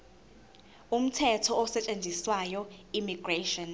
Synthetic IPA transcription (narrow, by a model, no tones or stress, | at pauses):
um̩tʰɛtʰɔɔsɛt͡ʃʼend͡zʱiswajɔimiɡreʃɔn